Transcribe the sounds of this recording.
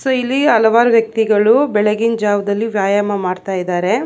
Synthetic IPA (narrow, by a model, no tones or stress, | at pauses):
sɐilːiɐlɐʋaːɾuʋjɐk̚t̪iɡɐɭubɛɭɐɡind͡ʒaːʋɐd̪ɐlːiʋjaːjaːmɐmaːɖt̪aːjid̪aːɾe̞